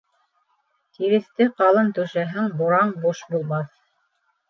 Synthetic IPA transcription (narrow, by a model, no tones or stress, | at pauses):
t̪iɾɘ̆θt̪ɘqɑlˠɤnt̪ɵ̆ʃæɦɘŋboɾɑɴbuʃbulˠmɑθ